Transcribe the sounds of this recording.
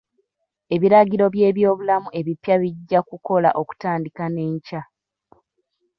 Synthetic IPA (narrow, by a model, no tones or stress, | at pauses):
e̞βiɾaɟiɾo̞βje̞ːβjo̞ːβulamuʔe̞βipjaβiɟːakuko̞la̰ʔo̞ku̥taːndikane̞ːɲca